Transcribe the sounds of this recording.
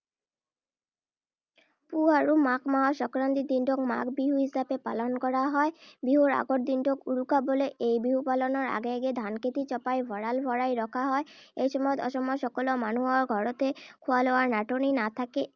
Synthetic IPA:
puɦaɾumakmaɔʃɔkɾant̪id̪iɳɖokma̰kbiɦuɦisapepa̰lɔnkɔɾaɦɔebiɦuɾa̰ɡoʈ̚d̪iɳɖokuɽukaboleʔejbiɦupalɔnɔɾa̰ɡeaɡed̪ʱankʰet̪it͡ɕɔpajbʱɔɽalbʱɔɾajɾɔkʰaɦɔeejʃɔmɔɔt̪ɔʃɔmɔjʃɔkɔlɔmanuɔɾɡʱɔɾot̪ekʰualɔwaɾnaʈoninat̪ʰake

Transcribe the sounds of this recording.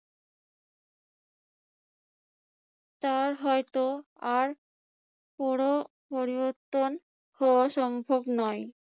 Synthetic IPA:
t̪aɾɦɔjt̪o | aɾ | pɔɽo | poɾiboɾt̪ːon | hɔoaʃɔŋbʱobnɔj

